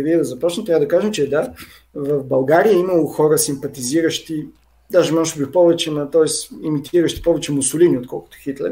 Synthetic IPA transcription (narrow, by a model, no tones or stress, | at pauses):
viɛd̪ɐzɐpɔt͡ʃnmt̪ɾavəd̪ɐkaʒɛmt͡ʃɛd̪a | vɐfbɐlˠɡaɾijəimɐlˠoxɔɾəsimpɐt̪iziɾəʃt̪i | d̪aʒɛmɔʒt̪bifpɔvɛt͡ʃɛmɐt̪ɔɛsimit̪iɾəʃt̪i̥pɔvɛt͡ʃɛmʊsʊliniot̪kɔ̰lˠkʊ̥t̪ʊ̥xit̪lɛ̰ɾ